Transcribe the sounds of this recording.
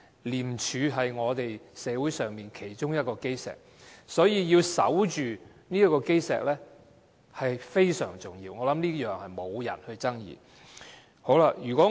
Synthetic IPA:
liː˨˩mt͡ʃʰyː˨˧ɦɐ˨jŋɔː˨˧t̪e˨jsɛː˨˧wu˨˥jsœː˨˩ŋmiː˨nkʰe˨˩jt͡ʃʊ˥ŋjɐ˥t̚kɔː˧ke˥jsɛ̰ː˨k̚ | sɔː˨˥jiː˧jiː˧wsɐ̰˨˥wt͡ʃyː˨ | niː˥ɐ˥tkːɔː˧ke˥jsɛ̰ː˨k̚lɛː˥ | hɐ˨jfe˥jsœː˨˩ŋt͡sʊ˨˩ŋjiː˧wŋɔː˨˧lɐ˨˥mniː˥jœː˨ŋhɐ˨jmo˨˧wjɐ̰˨˩nhɵ˧ɥt͡sɐ˥ŋjḭː˨˩ | ho˨˧˥wlɐ˧jyː˨˩kʷɔː˨˥

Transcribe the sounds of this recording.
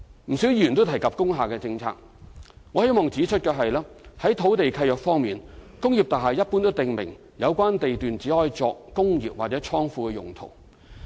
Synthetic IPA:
m̩˨˩si˨˥wjyː˨nt̪o˥wt̪ʰɐ˨˩jkɐ˨p̚kʊ˥ŋɦaː˨kɛː˧t͡sɪ˧ŋt͡sʰa̰ː˧k̚ | ŋɔː˨˧he˥jmɔː˨˩ŋt͡siː˨˥t͡ʃʰɵ˥t̚kɛː˧ɦɐ˨jlaː˥hɐ˨˥jt̪ʰo˨˥wt̪e˨jkʰɐ˧jœː˨k̚fɔː˥ŋmiː˨n | kʊ˥ŋjiː˨p̚t̪aː˨ɦɐ˨˩jɐ˥t̚puː˥nt̪o˥wt̪ɪ˨˩ŋmɪ̰˨˩ŋ | jɐ˨˧wkʷaː˥nt̪e˨jt̪yː˨nt͡siː˨˥hɔː˧˥jt͡sɔː˧k̚kʊ˥ŋjḭː˨p̚waː˨t̚t͡sɛ˨˥t͡sʰɔː˥ŋfuː˧kɛː˧jʊ̰˨˩ŋt̪ʰo̰˨˩w

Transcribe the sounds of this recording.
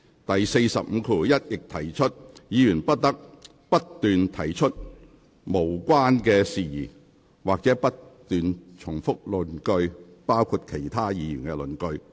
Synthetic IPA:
t̪ɐ˨jse˧jsɐ˨p̚m̩˨˧kʰuː˧jɐ˥t̚jɪ˨k̚t̪ʰɐ˨˩jt͡ʃʰɵ˥t̚jiː˨˧jyː˨˩npɐ˥t̚t̪ɐ˥k̚ | pɐ˥t̚t̪yː˨nt̪ʰɐ˨˩jt͡ʃʰɵ˥t̚ | mo˨˩wkʷaː˥nkɛː˧siː˨jiː˨˩ | waː˨k̚t͡sɛ˨˥pɐ˥tt̪yː˨nt͡ʃʰʊ˨˩ŋfʊ˥k̚lɵ˨nkɵ˧ɥ | paː˥wkʰu˨˧t̚kʰe˨˩jt̪ʰaː˥jiː˨˧jyː˨˩nkɛ˧lɵ˨˩nkɵ˧ɥ

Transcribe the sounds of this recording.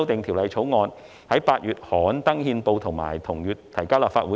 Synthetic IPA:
wt̪ɪ˨˧ŋt̪ʰiː˨˩wlɐ˨˧jt͡ʃʰo˨˥wŋɔː˧n | hɐ˨˥jpaː˧t̚jyː˨˧t̚hɔː˨˥nt̪ɐ˥ŋhiː˧npo˧wt̪ʰʊ˨˩ŋma̰ː˨˩jt̪ʰʊ˨˩ŋjyː˨˩tt̪ʰːɐ˨˩jkaː˥wlaː˨˩faː˧u˨˦˥

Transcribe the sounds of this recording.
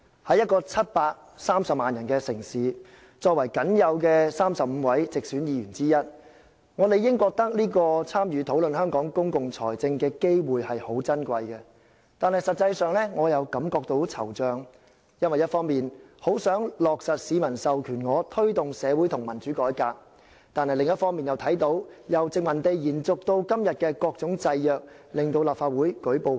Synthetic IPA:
hɐ˨˧jɐ˥t̚kɔː˧t͡sʰɐ˥t̚paː˧k̚ | saː˥msɐ˨p̚maː˨njɐ˨˩nkɛː˧sɪ˨˩ŋsiː˨˧ | t͡sɔː˧k̚wɐ˨˩jkɐ˨˥njɐ˨˧wkɛː˧saː˥msɐ˨p̚m̩˨˧wɐ˨˥jt͡sɪ˨k̚syː˨˥njiː˨˧ɥyː˨˩nt͡siː˥jɐ˥t̚ | ŋɔː˨˧le˨jːɪ˥ŋkɔː˧k̚t̪ɐ˥k̚liː˥kɔː˧t͡sʰaː˥mjyː˨˧t̪ʰo˨˥wlɵ˨nhœː˥ŋkɔː˨˥ŋkʊ˥ŋkʊ˨ŋt͡sʰɔː˨˩jt͡sɪ˧ŋkɛː˧ke˥jwuː˨jhɐ˨jho˨˥wt͡sɐ˥nkʷɐ˧jkɛ˧ | t̪aː˨nhɐ˨jsɐ˨t̚t͡sːɐ˧jsœː˨ŋlɛ˥ŋɔː˨˧jɐ˨˧wkɐ˨˥mkɔː˧k̚t̪o˨˥wt͡sʰɐ̰˨˩wt͡sœː˨˧ŋ | jɐ˥nwɐ˨jɐ˥t̚fɔː˥ŋmiː˨nho˨˥wsœː˨˥ŋlɔː˨k̚sɐ˨t̚siː˨˧˥mɐ˨˩nsɐ˨wkʰyː˨˩nŋɔː˨˧t̪ʰɵ˥ɥt̪ʊ˨ŋsɛː˨˧wuː˨˥jt̪ʰʊ˨˩ŋmɐ˨˩nt͡ʃyː˨˥kɔː˨˥jkaː˧k̚ | t̪aː˨nhɐ˨jlɪ˨ŋjɐ˥t̚fɔː˥ŋmiː˨njɐ˨wt̪ʰɐ˨˥jt̪o˨˥wjɐ˨wt͡sɪ˨kŋmɐ˨˩nt̪e˨jjiː˨˩nt͡sʊ˨k̚t̪o˧wkɐ˥mjɐ˨t̚kɛː˧kɔː˧k̚t͡sʊ˨˥ŋt͡sɐ˧jjœː˨k̚lɪ˨ŋt̪o˧wlaː˨pfaː˧t̚wuː˨˥jkɵ˨˥jpo˨˧

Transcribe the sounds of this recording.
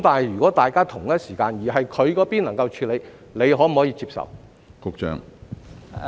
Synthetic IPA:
t̪aː˨nhɐ˨jyː˨˩kɔː˨˥t̪aː˨jkaː˥t̪ʰʊ˨˩ŋjɐ˥t̚siː˨˩kaː˧njiː˨˩ɦɐ˨jkʰɵ˨˧ɥkɔː˨˥piː˥nlɐ˨˩ŋkɐ˧wt͡ʃʰyː˧le˨˧j | le˨˧jhɦɔː˨˥m̩˨˩hɔː˨˥iː˧t͡siː˧p̚sɐ̰˨w | kʊ˧k̚t͡ʃœ̰ː˧˥ŋ

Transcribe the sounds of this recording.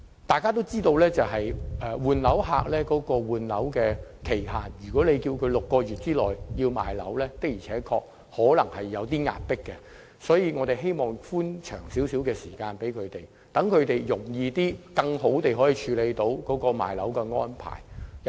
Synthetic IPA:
t̪aː˨jkaː˥t̪̬o˥wt͡siː˥t̪o˧wlɛː˥t͡sɐ˨wɦɐ˨jʔɛː˨˧wuː˨nlɐ˨˥wɦa̰ː˧k̚lɛː˥kɔː˨˥kɔː˧wuː˨˩nlɐ˨˥wkɛː˧kʰe˨˩jɦaː˨njyː˨˩kɔː˨˥le˨˧jkiː˧wkʰɵ˨˧ɥlʊ˨kːɔː˧ɥyː˨t̚t͡siː˥lɔː˨˩jjiː˧wma̰ː˨jlɐ̰˨˥wlɛː˥t̪ɪ˥k̚jiː˨˩t͡sʰɛː˨˥kʰɔː˧k̚ | hɔː˨˥lɐ˨˩ŋhɐ˨jːɐ˨˧wt̪iː˥ŋa̰ː˨t̚pɪ˥kːɛ˧ | sɔː˨˥jiː˧ŋɔː˨˧t̪e˨jɦe˥jmɔː˨˩ŋfuː˥nt͡ʃʰœ̰ː˨˩ŋsiː˨˥wsi˨˥wkɛː˧siː˨˩kaː˧npe˨˥jkʰɵ˨˧ɥt̪e˨j | t̪ɐ˨˥ŋkʰɵ˨˧ɥt̪e˨jjʊ˨˩ŋjiː˧t̪iː˥kɐ˧ŋɦo˨˥wt̪e˨jɦɔː˨˥jiː˨t͡ʃʰyː˨˧le˨˧jt̪o˧wkɔː˨˥kɔː˧ma̰ː˨˩jlɐ̰˨˥wkɛ˧ŋɔ̰ː˥npʰa̰ː˨˩j

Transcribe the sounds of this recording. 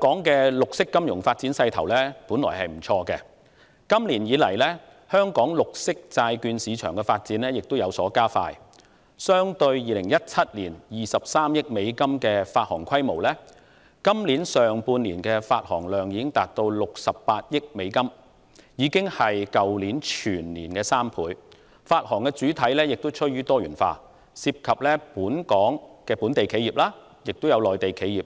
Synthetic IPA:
ŋkɔː˨˥ŋkɛ˧lʊ˨k̚sɪ˥kːɐ˥mjʊ̰˨˩ŋfaː˧t̚t͡siː˨˥nsɐ˧jt̪ʰɐ˨˩wlɛː˥puː˨˥nlɔ̰ː˨˩jhɐ˨jm̩˨˩t͡sʰɔː˧kɛ˧ | kɐ˥mliː˨˩njiː˨˧˥lɐ˨˩jlɛ˥ | hœː˥ŋkɔː˨˥ŋlʊ˨k̚sɪ˥k̚t͡saː˧jkyː˧nsiː˨˧t͡ʃʰœː˨˩ŋkɛ˧faː˧t̚t͡siː˨˥nlɛː˥jɪ˨k̚t̪o˥wjɐ˨˧wsɔː˨˥kaː˥fa̰ː˧j | sœː˥ŋt̪ɵ˧ɥjiː˨lɪ˨˩ŋjɐ˥t̚t͡sʰɐ˥t̚liː˨˩njiː˨sɐ˨p̚saː˥mjɪ˥k̚me˨˧jkɐ˥mkɛː˧faː˧t̚hɔː˨˩ŋkʰɐ˥jmo˨˩wlɛː˥ | kɐ˥mli˨˥nsœː˨ŋpuː˧nliː˨˩nkɛ˧faː˧t̚hɔ̰ː˨˩ŋlœː˨ŋjiː˨˧kɪ˥ŋt̪aː˨˩t̚t̪o˧wlʊ˨k̚sɐ˨pːaː˧t̚jɪ˥k̚me˨˧jkɐ˥m | jiː˨˧kɪ˥ŋhɐ˨jkɐ˨wliː˨˥nt͡ʃʰyː˨˩nliː˨˩nkɛː˧saː˥mpʰuː˨˥j | faː˧t̚hɔː˨˩ŋkɛː˧t͡syː˨˥t̪ʰɐ˨˥jlɛː˥jɪ˨k̚t̪o˥wt͡ʃʰɵ˥t̚jyː˥t̪ɔː˥ɥyː˨˩nfa̰ː˧ | siː˧p̚kʰɐ˨p̚lɛː˥puː˨˥nkɔː˨˥ŋkɛː˧puː˨˥nt̪e˨jkʰe˨˥jiː˨p̚laː˥ | jɪ˨k̚t̪o˥wjɐ˨˧wlɔː˨˩jt̪e˨jkʰe˨˥jiː˨˩p̚

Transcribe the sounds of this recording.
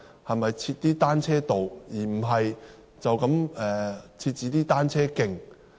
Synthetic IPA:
hɐ˨jmɐ˨jt͡sʰiː˧t̚t̪iː˥t̪aː˥nt͡sʰɛː˥t̪o˨wjiː˨˩m̩˨˩ɦɐ˨j | t͡sɐ˨wkɐ˨˥mɛː˨t͡sʰiː˧t̚t͡siː˨˥t̪iː˥t̪aː˥nt͡sʰɛː˥kɪ˨˩ŋ

